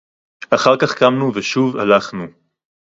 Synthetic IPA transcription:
aχaʁkaχkamnuveʃuva̰laχnu

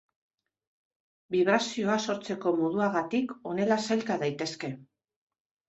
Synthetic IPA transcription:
biβ̞ɾasio̞aso̞ɾt͡se̞ko̞moð̞uaɣat̪iko̞ne̞lasajlkaðajt̪e̞ske̞

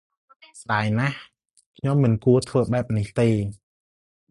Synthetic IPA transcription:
sɗaɛjnah | kʰɲomːɨnkuət̪ʰʋəːɓaɛp̚niht̪eː

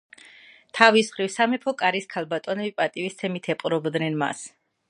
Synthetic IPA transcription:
t̪ʰavisχɾifsamɛpʰɔkʼaɾiskʰalˠbat̪ʼɔnɛbipʼat̪ʼivist̪ʰɛmit̪ʰɛpʼɾɔbd̪nɛnma̰s

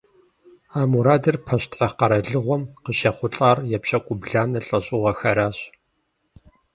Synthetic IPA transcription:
aːmuɾaːdɐrpʰɐɕtʰħɐqɐɾɐɮɨʁʷɔmqəʃɐχʷʊɬʼaːrjɛpɕɐkʷʼʊbɮaːnɐɬʼɐɕʼɪʁʷɐxɐɾaːɕ

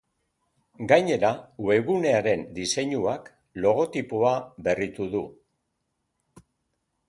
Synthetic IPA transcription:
ɡajɲe̞ɾaue̞ɣune̞aɾe̞nd̪ise̞ɲuak | lo̞ɣ̞o̞t̪ipoaβe̞rit̪uðu

